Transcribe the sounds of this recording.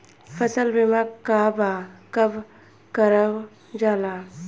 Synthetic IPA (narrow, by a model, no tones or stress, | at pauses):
fʰəsəlbɪmakkːaːbakəb | kəɾəw | d͡ʒaːlaː